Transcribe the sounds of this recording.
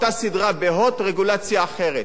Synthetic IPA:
t̪asidʁabeɦo̞tʁeɡulat͡sjaːχe̞ʁet̪

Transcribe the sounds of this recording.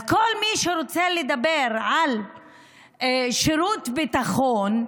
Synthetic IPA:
kolmiʃeɾot͡seled̪abeʁʕal | ʃeɾut̪bit̪aχon

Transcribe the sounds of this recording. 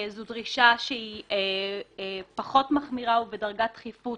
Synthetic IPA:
zudʁiʃaʃeie | paχo̞tmaχmiʁauvedaʁɡatχifu

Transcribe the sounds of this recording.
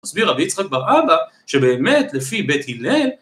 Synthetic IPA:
asbiʁabiit͡sχak̚baʁaba | ʃe̞be̞ːme̞tlefibe̞thilen

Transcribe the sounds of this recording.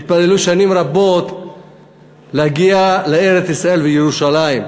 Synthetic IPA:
it̪̚pale̞luʃanimɾabo̞t̪ | leaɡialee̞ʁet͡sisʁae̞lvejeʁuʃalaim

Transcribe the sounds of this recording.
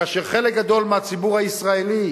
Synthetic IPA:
aːʃeʁχe̞lek̚ɡad̪o̞lmeat͡sibuʁhaisʁaeli

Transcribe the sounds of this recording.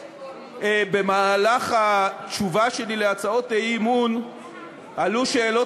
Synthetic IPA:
ebe̞maːlaχatt͡ʃuvaʃe̞lileat͡sao̞teimun | aluʃeːlo̞

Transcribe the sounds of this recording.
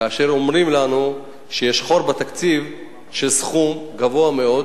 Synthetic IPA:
kaːʃe̞ʁo̞mʁimlanu | ʃejeʃχo̞ɾbat̪akt͡siv | ʃesχumɡavo̞ame̞o̞d

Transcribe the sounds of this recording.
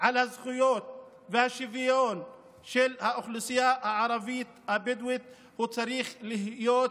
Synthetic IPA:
ʕalhazχujot̪̚ | vehaʃivijon | ʃelhaʔoχlusijahaʕaɾˤɑvit̪habɪd̪wit̪̚ | hut͡saɾiχlihjoːt̪

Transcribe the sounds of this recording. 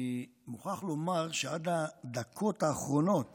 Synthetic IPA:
imuχaχlo̞maʁʃead̪ad̪akʰo̞taːχʁo̞no̞t̪

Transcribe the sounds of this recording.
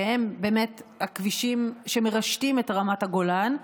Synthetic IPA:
hembe̞ːmethakviʃimʃemeʁaʃtimetʁamathaɡo̞lan

